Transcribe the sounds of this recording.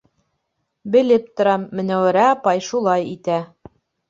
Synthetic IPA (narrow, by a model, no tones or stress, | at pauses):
bɘ̆lɘp̚t̪ŏɾɑmːɘ̆næwæɾæɑpɑjʃulˠɑjit̪æ